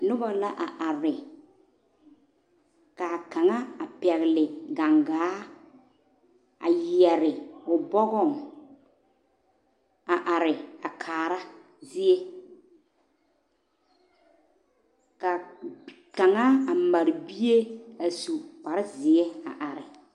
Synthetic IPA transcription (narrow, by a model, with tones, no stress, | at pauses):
nʊ˦ba˨la˦ʔa˨ʔa˨ɾɪ˨ | ka˨ka˨ŋa˦a˨pɛ˨ɣɪ˨lɪ˨ɡa˨ŋɡaː˨˦ | a̰˨jɛ˨ɾɪ˨ʊ˨bɔ˦ɣɔ˦˨ŋ | a˨ʔa˨ɾɪ˨a˨kʰaː˨ɾa˦ | zɪ˦e˦ | ka˨ | ka˨ŋa˦a˨ma˨ɾɪ˨bi˦e˦a˨su˨k͡pa˨ɾɪ˦zɪ˨e˦a̰˨ʔa˨ɾɪ˨